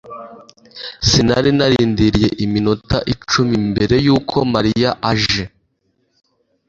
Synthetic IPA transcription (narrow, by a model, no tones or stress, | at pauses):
sinaɾinaɾiːndiɾije̞ʔiminota̰ʔit͡ʃumimbe̞ɾe̞juːkʰo̞maɾijaʔaʒe̞